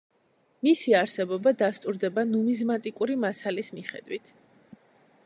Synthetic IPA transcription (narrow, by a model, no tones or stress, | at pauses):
misiaɾsɛbɔbad̪ast̪ʼuɾd̪ɛbanumizmat̪ʼikʼuɾimasalismiχɛ̰d̪wit̪ʰ